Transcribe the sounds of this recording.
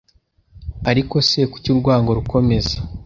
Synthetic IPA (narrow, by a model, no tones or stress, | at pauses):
aɾiko̞se̞ku̥cuɾɡwaːŋɡo̞ɾukʰo̞me̞zḁ